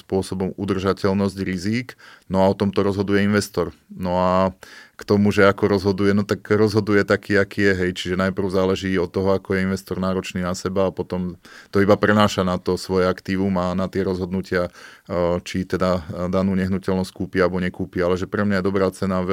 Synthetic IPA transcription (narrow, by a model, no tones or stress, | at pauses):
spʊɔsɔbɔmud̪r̩ʒacɛlnɔzɟɾiziːknɔaɔt̪ɔmt̪ɔɾɔzɦɔd̪ujɛinʋɛst̪ɔɾnɔakt̪ɔmuʒɛakɔɾɔzɦɔd̪ujɛnɔt̪akɾɔzɦɔd̪ujɛt̪akiːakiːjɛɦɛjt͡ʃiʒɛnajpr̩ʊzaːlɛʒiːɔt̪ːɔɦɔakɔjɛinʋɛst̪ɔɾnaːɾɔt͡ʃniːnasɛbaːpɔt̪ɔmt̪ɔibapɾɛnaːʃanat̪ɔsʋɔjɛakt̪iːʋumanat̪ɪɛɾɔzɦɔd̪nucɪa | t͡ʃit̪ɛd̪ad̪anuːɲɛɦnucɛlnɔsckuːpialbɔɲɛkuːpialɛʒɛpɾɛmɲajɛd̪ɔbɾaːt͡sɛnaʋ